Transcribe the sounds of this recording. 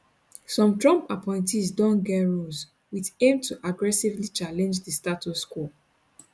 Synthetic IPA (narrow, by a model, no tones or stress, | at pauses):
sɔ̃mtɹɔ̃mpapʰɔ̃ɪ̃ntʰisdɔ̃nɡɛɹoz | witẽmtʰuʔaɡɹɛsivlit͡ʃalɛ̃nd͡ʒðəstatusku